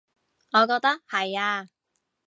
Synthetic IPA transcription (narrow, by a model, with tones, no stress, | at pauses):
ŋɔː˨˧kɔː˧k̚t̪ɐ˥k̚hɐ˨jaː˧